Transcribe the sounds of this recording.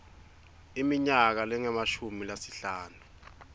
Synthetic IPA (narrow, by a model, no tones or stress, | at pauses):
imiɲak̬alɛŋɛmaʃumilasiɬaːnu